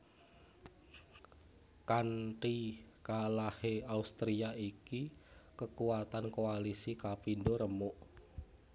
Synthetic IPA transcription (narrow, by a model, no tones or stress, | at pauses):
kaɳʈikalaheaust̪ɾiaikikəkuat̪ankoalisikapindoɾəmoʔ